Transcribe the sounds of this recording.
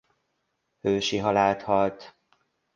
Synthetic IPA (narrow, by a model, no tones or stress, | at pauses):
høːʃiɦɒlaːlt̪hɒlt̪